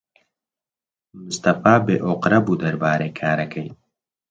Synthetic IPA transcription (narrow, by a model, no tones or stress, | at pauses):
mʊst̪ɐfaːbeʔoqɾɐbud̪ɐɾbaːɾekʰaːɾɐkʰɐj